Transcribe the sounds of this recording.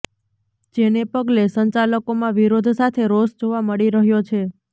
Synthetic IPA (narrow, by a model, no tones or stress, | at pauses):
d͡ʒenepəɡlesəɲt͡ʃaləkomãʋiɾod̪ʱsat̪ʰeɾosd͡ʒoʋaməɭiɾəɦjot͡ʃʰe